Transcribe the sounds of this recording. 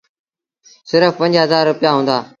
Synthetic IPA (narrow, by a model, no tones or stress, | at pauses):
sɪɾəfpə̃ɲd͡ʑɦəzaːɾːʊpɪjaɦũːnd̪aː